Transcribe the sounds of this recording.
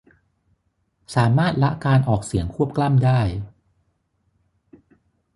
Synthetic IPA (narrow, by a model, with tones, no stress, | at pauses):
saː˩˦maː˥˩t̪̚la˦˥ʔkaː˧nʔɔː˨˩k̚si˩˦əŋkʰu˥˩əp̚kla˥˩mdaː˥˩j